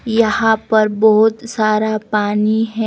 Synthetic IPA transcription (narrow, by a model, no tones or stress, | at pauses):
jɐɦãpɐɾbɔɦʊt̪saːɾapaːniɦɛ̃